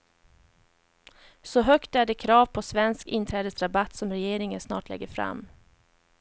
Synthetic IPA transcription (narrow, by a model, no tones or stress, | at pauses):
sɔɦœkt̪æɖɛkʰɾɑːvpʰɔsvɛnskɪnt̪ʰɾɛːd̪əsɾabat̪ːsɔmɾɛjeːɾɪŋənsnɑ̰ːʈlɛ̰ɡːəɾfɾa̰mː